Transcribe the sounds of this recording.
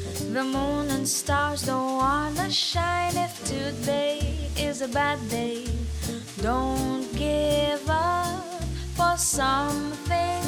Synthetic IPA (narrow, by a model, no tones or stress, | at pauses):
ðəmõʊ̃nə̃nstɑɹzdõʊwɑnɨʃãɪ̃nɪfdʰʉðeɪɪzɨbæd̚deɪ | d̥õʊ̃nnɡ̥ɪvʌ | fə˞sʌ̃mθɪ̃ŋ